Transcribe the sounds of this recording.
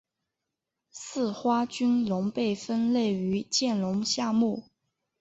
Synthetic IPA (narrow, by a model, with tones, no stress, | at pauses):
sɹ̩˥˩xwa˥t͡ɕy˥nlʊ˧˥ŋpe˥˩ɪfə˥nle˥˩ɪy˧˥t͡ɕjɛ˥˩nlʊ˧˥ŋɕja˥˧mu˥˩